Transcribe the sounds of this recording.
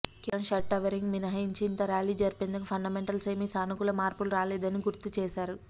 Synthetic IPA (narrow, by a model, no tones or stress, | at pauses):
kiɐnʃɐʈːɐʋɐɾiŋɡminɐɦɐjiɲt͡ʃiːnt̪ɐɾaːliːd͡ʒɐɾipend̪ukupʰɐɳɖɐmeɳʈɐlseːmisaːnukulɐmaːɾpulɾaːlɛːd̪ɐniɡuɾt̪ut͡ʃɛːʃaːɾu